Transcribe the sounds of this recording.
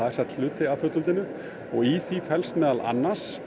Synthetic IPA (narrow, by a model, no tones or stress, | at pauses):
aðɛɾ̥sat̪l̥ʏːt̪ɪafʏt̪ʏlt̪ɪnʏ | ɔɣiθifɛlst̪mɛːðalʔa̰nːḁs